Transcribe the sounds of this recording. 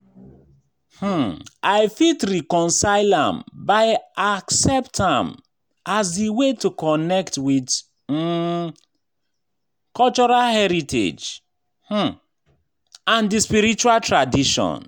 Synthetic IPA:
h̩ʔaɪfitɾikɔ̃nsaɪlã̰mbaɪaksɛptã̰m | azdiwetukɔnɛktwit | kɔlt͡ʃɔɹalhɛɾitʰḛd͡ʒ | h̩ | ãndispiɾit͡ʃualtɹadiʃɔ̰̃n

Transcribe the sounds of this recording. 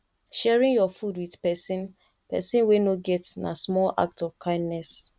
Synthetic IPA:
ʃɛɹĩŋjɔfudwiðpɛsĩn | pɛ̰sĩnwenoɡɛtnasmɔla̰k̚tɔvkʰãɪ̃ndnɛs

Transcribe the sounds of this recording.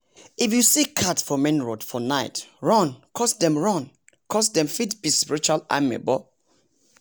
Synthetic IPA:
ifjusikʰatsfɔmɛ̃nɹodfɔnaɪtɹɔ̃nkʰɔsdɛ̃mɹɔ̃n | kʰɔsdɛ̃mfitbispiɹit͡ʃala̰mɛ̰bɔ

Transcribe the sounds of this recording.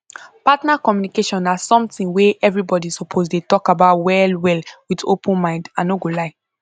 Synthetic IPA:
patnakɔmjunikeʃɔ̃nasɔ̃mtĩnweʔɛvɹibɔdisopʰozdetɔkabaʊtwɛlwɛlwito̰pũnmãɪ̃ndãnoɡolaɪ

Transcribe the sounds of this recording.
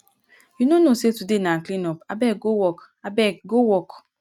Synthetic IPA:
inonosetudenaklinɔpabɛɡowɔk | abɛkɡowɔk

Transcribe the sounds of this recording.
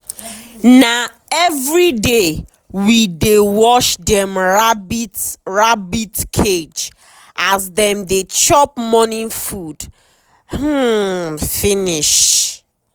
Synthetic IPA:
na | ɛvɹide | widewɔʃdɛ̃mɹabitɹabitkʰed͡ʒ | ʔazdɛ̃mdet͡ʃɔp̚mɔnĩnfud̥ | h̩ | finiʃ

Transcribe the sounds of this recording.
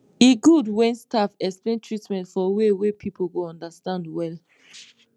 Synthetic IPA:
iɡudwɛ̃nstafɛksplẽntʰɹitmɛ̃ntfɔwewepʰipʰoɡoɔ̃ndastãndwɛl

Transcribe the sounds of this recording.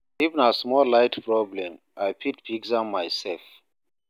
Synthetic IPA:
ivə̃nasmɔlaɪtpɹɔblɛ̃m | ajpʰit̚piɡsãmajsɛlf

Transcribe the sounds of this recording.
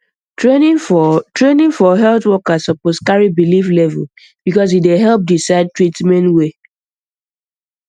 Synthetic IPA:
eitɹenĩŋfɔɦɛlθwɔkasɔposkaɹibiliflɛvɛl | b̥ikɔs̬ideɦɛlp̚disaɪd̚tɹitmɛ̃ntwe

